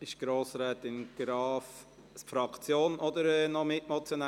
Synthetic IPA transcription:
ɪʃɡ̥ɾoːsɾɛːt̪ɪnɡ̥ɾɑːf | sfɾɑkt͡sjoːnʔɔd̪əɾɛːnɔmɪtmɔt͡sjona

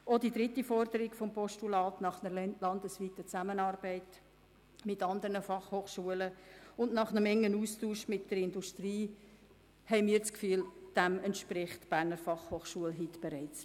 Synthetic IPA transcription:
odidɾɪtifɔɾdəɾɪɡ̥fɔmpʰɔʃtulɑːtnɑχnəɾlɑndəsʋiːtət͡sæmənɑːrbɛɪt | mɪtɑnd̪əɾnəfɑχhoːχʃuələʊnnɑχnəmɛŋːənuːstuːʃmɪt̚d̥əɾɪnduʃtriː | hɛɪmiːɾt͡skfyːld̥æmɛntʃpɾɪχtb̥æːɾnəɾfɑχhoːχʃuəlɦɪtb̥ɛɾɛɪt͡s

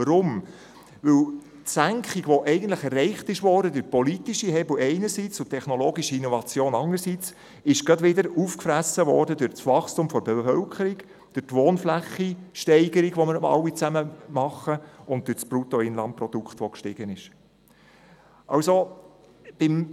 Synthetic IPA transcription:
vəɾʊm | ʋɵl | tsæŋkχiɡʋɔʔɛɪɡən̩t̪ləχɛrːɛɪχtɪʃʋɔːɾdədʉɾpɔlitiʃiɦɛbl̩ɛɪnəɾsit͡sʊtʰɛχnɔloːɡiʃiinɔvɑt͡sjoːnɑŋəɾsit͡s | ɪʃɡ̥ɑdʋɪdəɾufkfræsːəʋɔːrdədʉɾt͡sʋɑχstʊmfɔɾbefœlkʰəɾik | d̥ʉɾtʋoːnflæχːiʃtɛɪɡəɾiɡʋɔməɾmɑ̰lwːit͡sæməmɑχəʊnt̚d̥ʉɾt͡spɾut̪oɪnlɑnprɔd̥ukχt̪ʋɔkʃtɪɡ̥ənɪʃ | ʔɑ̰wso | b̥ɪm

